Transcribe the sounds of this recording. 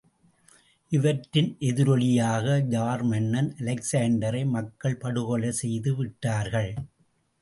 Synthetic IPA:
ʔɪʋɐʈːɪnʔɛðɪɾɔɭɪjaːɣɐd͡ʒaːɾmɐnːɐnʔɐlɐksaːɳɖɐɾɐɪmɐkːɐɭpɐɽɯɣɔɭɐsɛjðɯʋɪʈːaːɾɣɐɭ

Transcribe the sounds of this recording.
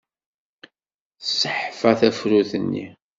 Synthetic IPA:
sːəħfæθæfɾuθənːḭ

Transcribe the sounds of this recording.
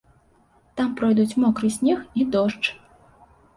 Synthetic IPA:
t̪ampɾɔjd̪ut͡sʲmɔkɾɨsʲnʲɛxid̪ɔʂt͡ʂ

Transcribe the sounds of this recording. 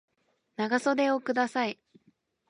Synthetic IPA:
naɡaso̞d̪e̞okɯ̟d̪asai

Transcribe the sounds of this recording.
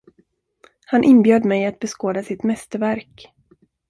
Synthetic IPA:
hanʔɪnbjøːd̪mɛjat̪̚bɛskoːd̪asɪt̪mɛst̪əɾvæɾk

